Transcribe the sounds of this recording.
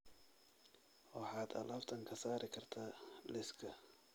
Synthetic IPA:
wɑħɑːd̪ɐ̰lɐft̪ʰɐŋkʰɐsaːɾɪkʰɐrt̪ʰaːlɪskʰɐ

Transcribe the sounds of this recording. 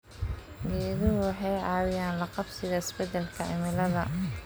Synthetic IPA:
ɡɛːðɪʊwɑħɑjɑːwɪjaːnlɐqɑbsɪɣɐɪsbɛd̪ɛlkʰɐɪ̰mɪlɐðɐ

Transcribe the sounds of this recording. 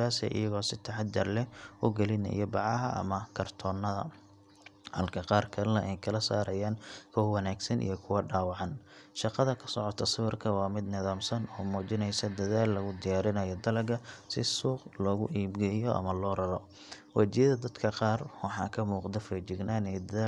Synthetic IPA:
aːsɛ̰ːʔɪ̰jɐɣɔːsɪt̪ʰɐħɑd̪d͡ʒɐrlɛʊɡɛlɪnɐ̰jɔbɑʕɑɦɐʔɐ̰mɐkʰɐrt̪ʰɔːnːɐðɐ̰ | hɐlkʰɐqɑːrkʰɐlnɐʔɛjkʰɐlɐsa̰ːɾɐjaːnkʰɔhwɑnaːɡsɐnʔḭjɔkʰʊwɐɖaːwɑʕɑnʃɑqɑðɐkʰɐ̥sɔʕɔt̪ʰɐsʊwɪrkʰɐwɑːmɪd̪nɪðaːmsɐnɔːmɔːt͡ʃɪnɛjsɐd̪ɐðaːlːɐɣʊd̪ɪjaːɾɪnɐjɔd̪ɐlɐɡɐsɪsuːqlɔːɣʊʔiːbɡɛjɔʔɐ̰mɐlɔːɾɐɾɔ | wɑt͡ʃɪjɐðɐd̪ɐd̪kʰɐqɑːrwɑħɑ̰ːkʰɐmuːqd̪ɐfɛd͡ʒɪɡnʔaːnɛjd̪ɐðaː

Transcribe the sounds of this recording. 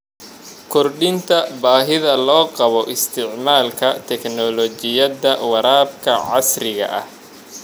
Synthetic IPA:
kʰɔrɗɪnt̪ʰɐbaːɦɪðɐlɔːqɑβɔʔɪst̪ʰɪʕmaːlkʰɐt̪ʰɛknɔlɔt͡ʃɪjɐðɐwɑɾaːbkʰɐʕɑsrɪɣɐ̰ʔɐh

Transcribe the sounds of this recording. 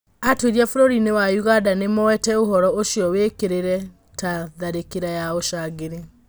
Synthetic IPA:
atweɾiafoɾoɾinewajuɣadanemɔwɛtɛoɦɔɾɔoʃiɔwekeɾeɾɛ | taðaɾekeɾajaoʃaːɣeɾe

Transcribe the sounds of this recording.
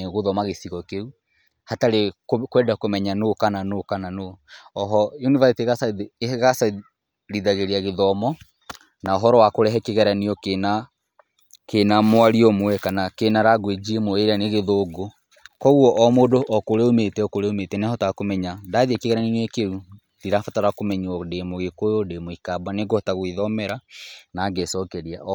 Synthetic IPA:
ɣoðɔmaɣeθiɣɔkeu | hataɾekwɛdakomɛɲanokananokananoɔɦɔjunivasteɣasaɣasa | ɾiðaɣeɾeaɣeðɔmɔ | naoɦɔɾɔwakoɾɛɦɛkeɣɛɾaniɔkena | kenamwaɾiɔmwɛkanakenaɾaɡwed͡ʒiemoeɾeaneɣeðoɡo | kɔɣuɔʔɔmodoʔɔkoɾeometɛɔkoɾeometɛnɛhɔtakomɛɲadaðiɛkeɣɛɾaninɛkeu | diɾafataɾakomɛɲɔdemoɣekojɔdemoikabwaneɡɔtaɣwiðɔmɛɾanaɡesɔkɛɾia̰

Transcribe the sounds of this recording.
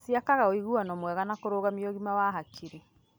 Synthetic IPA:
siakaɣaoiɣuanɔmwɛɣanakoɾoːɣamiɔɣimawaɦakʰiɾe

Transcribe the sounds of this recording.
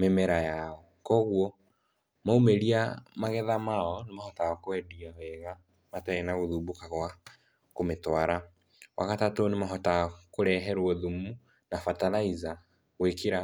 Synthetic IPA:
memɛɾajaɔ | kɔɣwɔ | maumeɾiamaɣɛðamaɔnemahɔtaɔkoɛdiawɛɣa | mataenaɣoðubukaɣwa | kometwaɾa | wʔa̰katatonemaɦɔtakoɾɛɦɛɾwɔðumu | nafataɾaiza | ɣwekiɾa

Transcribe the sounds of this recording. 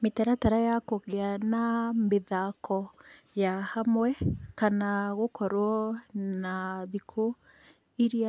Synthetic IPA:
metɛɾataɾajakoɣeanameðakɔ | jahamwɛkanaɣokɔɾwɔnaðikʰo | iɾia

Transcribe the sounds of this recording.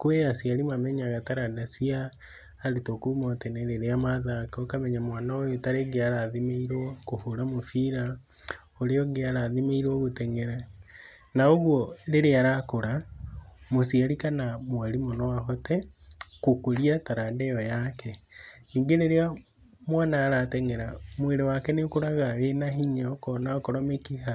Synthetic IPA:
koejasiaɾimwamɛɲaɣataɾadasiaː | ɾetokumɔtɛnɛɾeɾeamaðakokamɛɲamwanaojotaɾeɡeaɾaðimeiɾwɔkohoɾamofiɾa | oɾeɔɡeaɾaðimeiɾwɔɣotɛŋɛɾa | naoɣwɔɾeɾeaɾakoɾa | mosiaɾikanamwaɾimonɔwaɦɔtɛkokoɾiataɾadɛɔjakɛ | niːŋɡeɾeɾea | mwaːnaːɾatɛŋeɾamweɾewakɛnekoɾaɣaɾenaɦiɲakɔnakoɾomekiha

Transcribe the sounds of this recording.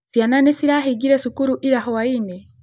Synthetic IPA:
sjananesiɾaɦiɡiɾesukuɾuʔiɾaɦowaine

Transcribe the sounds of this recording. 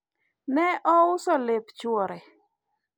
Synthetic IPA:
nɛʔɔʊsɔlept͡ʃwɔɾɛ

